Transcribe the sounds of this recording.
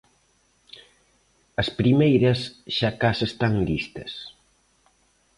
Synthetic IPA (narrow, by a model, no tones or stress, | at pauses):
ɐspɾimejɾɐsʃakasest̪aŋlist̪ɐs